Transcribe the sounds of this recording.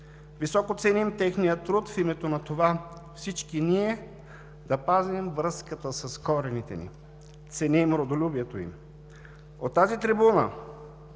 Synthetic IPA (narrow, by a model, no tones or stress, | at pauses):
visɔkot̪sɛnimt̪ɛxnijət̪ɾut̪fimɛt̪onɐt̪ovafsit͡ʃkiniɛ | d̪ɐpaznɛmvɾɤskət̪əsɐskɔɾɛnit̪ɛ̰nḭ | t̪sɛnimɾod̪olʲubiɛt̪oḭm | ot̪ːazit̪ɾibunə̰